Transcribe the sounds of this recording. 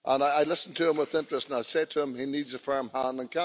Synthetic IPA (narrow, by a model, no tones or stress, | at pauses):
ʔə̃naɪaɪlˠɪsn̩tʰɨə̃mwəðɪ̃nt͡ʃɹ̥əstə̃naɪsetʰəə̃minidzəfɜ˞mhãnə̃nkʰã